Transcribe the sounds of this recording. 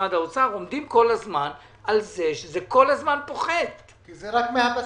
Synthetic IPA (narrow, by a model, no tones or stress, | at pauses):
ad̪aot͡saʁo̞md̪imko̞lazman | alze̞ʃezeko̞lazmanpo̞χet̪ | kizeʁakmeapa